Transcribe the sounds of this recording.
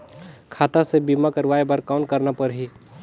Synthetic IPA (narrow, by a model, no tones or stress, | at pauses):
kʰaːt̪asebimakəɾʋaːebəɾkaʊnkəɾnapəɾɦi